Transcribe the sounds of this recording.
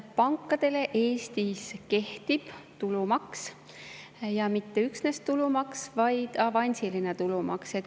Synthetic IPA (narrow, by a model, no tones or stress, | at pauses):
pɑŋkːˑɑd̪̥e̞le̞ʔe̞ːst̪iske̞ht̪ib̥t̪ulumɑks | jɑmit̪ːe̞yksne̞stt̪ulumɑksvɑjd̪̥ɑvɑnʲsilinet̪ulumɑ̰kset̪